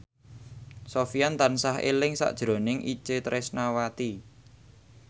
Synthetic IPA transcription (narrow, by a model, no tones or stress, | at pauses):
sofiant̪ansaɦḛlɪŋsa̰ʔd̥ʒ̥ɾo̤nɪŋʔḭt͡ʃet̪ɾʔɪsnawat̪i